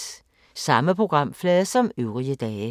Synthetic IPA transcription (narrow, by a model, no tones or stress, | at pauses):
sɑ̈məpʰʁo̝ɡ̥ʁɑ̈m̰flɛːðˠsɒ̽møʊʁiəd̥ɛːɪ